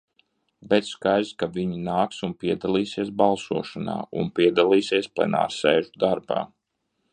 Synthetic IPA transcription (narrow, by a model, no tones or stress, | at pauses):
bɛt̪skajzkaviɲinaːksunpiɛd̪alˠiːsiɛs̬balˠsuɔʃana̰ːṵnpiɛd̪alˠiːsiɛsplˠɛ̰na̰ːɾsɛːʒud̪aɾba̰ː